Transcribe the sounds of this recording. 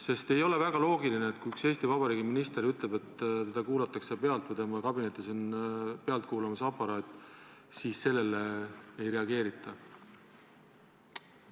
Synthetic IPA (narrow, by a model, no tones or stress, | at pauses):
se̞st̪e̞jo̞le̞væɡ̥ɑlo̞ːɡ̥ilineːt̪kujykse̞ːst̪ivɑb̥ɑɾiːɡiminist̪e̞ɾyt̪le̞be̞t̪ːt̪e̞d̪̥ɑkuːlɑt̪ːˑɑkse̞pe̞ɑlt̪vɤd̪emɑkɑbine̞t̪ːˑisonpeɑlt̪̚kuːlɑmɑsɑpːɑɾɑːt̪ːˑ | siːsse̞lːe̞leejɾe̞ɑɡe̞ːɾit̪ʰˑːɑ